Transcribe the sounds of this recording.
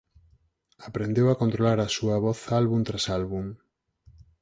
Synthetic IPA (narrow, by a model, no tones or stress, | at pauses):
apɾend̪ewakont̪ɾolaɾasuɐβɔθalβunt̪ɾasalβum